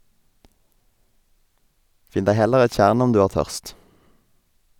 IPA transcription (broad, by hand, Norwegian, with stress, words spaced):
ˈfɪn ˈdæɪ ˈhɛləʁ ˈɛt ˈc͡çjæːʁɳ ˈɔm ˈdʉː ˈæːʁ ˈtœʁst